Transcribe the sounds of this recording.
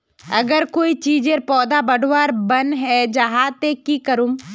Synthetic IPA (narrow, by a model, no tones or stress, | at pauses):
ɐɡəɾkoːit͡ʃiːd͡ʒeɾpɔːd̪abəɖʱwaːɾbənɦɛd͡ʒaɦat̪ekikəɾum